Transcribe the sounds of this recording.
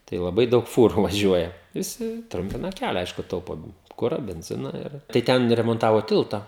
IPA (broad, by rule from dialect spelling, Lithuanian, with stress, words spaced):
tɐɪ lˠɐˈbɐɪ ˈdɐʊk ˈfuːrʊ ʋɐˈʒʲuɔjɛ ʋʲɪˈsʲɪ ˈtrʊmʲpʲɪnɐ ˈkʲælʲɛ ˈɐɪʃkʊ ˈtɐʊpoː ˈkʊrɐ bʲɛnʲˈzʲɪnɐ ɪr tɐɪ ˈtʲɛn rʲɛmoːnˈtɑːʋoː ˈtʲɪlˠtɐ